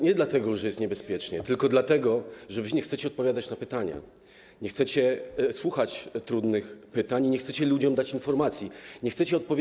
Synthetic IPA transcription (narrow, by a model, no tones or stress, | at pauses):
ɲɛd̪lat̪ɛɡɔʐɛjɛst̪ɲɛbɛspʲjɛt͡ʂɲɛt̪ɘlkɔd̪lat̪ɛɡɔʐɛvɘɲɛxt̪sɛt͡ɕɛɔt̪̚pɔvʲjad̪at͡ɕnapɘt̪aɲa̰ | ɲɛxt̪sɛt͡ɕɛswuxat͡ɕt̪ɾud̪nɘxpɘt̪aɲɲɛxt̪sɛt͡ɕɛlud͡ʑɔmd̪at͡ɕinfɔɾmat̪sʲjiɲɛxt̪sɛt͡ɕɛɔt̪̚pɔvʲ